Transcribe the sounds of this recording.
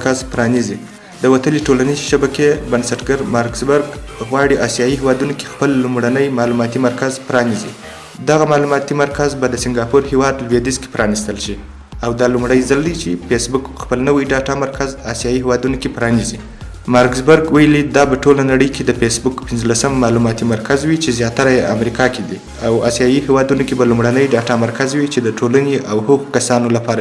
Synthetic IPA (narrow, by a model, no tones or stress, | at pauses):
kazpɾɑnizi | d̪əwat̪əleʈolanizeʃabakebansaʈɡaɾmɑɾkzbaɾɡɣwɑɽiʔɑsijɑihewɑd̪unoke̥xpəlːumɽanəjmɑlumɑt̪imaɾkazpɾɑnizi | d̪aɣamɑlumɑt̪imaɾkazbad̪əsɪŋɡɑpuɾhewɑd̪lwed̪izke̥pɾɑnist̪əlʃi | awd̪ɑlumɽəjzald̪it͡ʃepesbʊkxpəlnəwijɖɑʈɑmaɾkazɑsijɑiɦewɑd̪unokepɾɑnizi | mɑɾkzbəɾɡwajəlid̪ɑbaʈolanaɽəjkʰed̪əfesbʊkpɪnzlasamːɑlumɑt̪imaɾkazwit͡ʃezjɑt̪aɾajea̰mɾikɑked̪i | awɑ̰sjɑjihewɑd̪unokebalumɽanəjɖɑʈɑmaɾkazwit͡ʃed̪əʈʰolaneʔawhoɣokasɑnolapɑɾa